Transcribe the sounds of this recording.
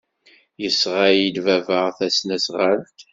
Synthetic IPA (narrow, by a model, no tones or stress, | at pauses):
jəsʁɑilvævəʁθæsnæsʁalt̪